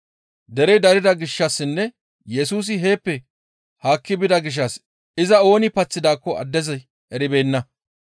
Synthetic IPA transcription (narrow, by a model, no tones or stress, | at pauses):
d̪ɛɾɛjd̪ɐɾɪd̪ɐɡɪʃːɐsːɪnːɛ | jɛsuːs̬ɪɦe̞ːpːɛ | haːkːɪbɪd̪ɐɡɪʃ̬ːɐs | ɪzɐo̞ːnɪpɐt͡sːɪd̪aːkːɔɐ̰d̪ːɛzɐj | ɛɾɪbe̞ːnːɐ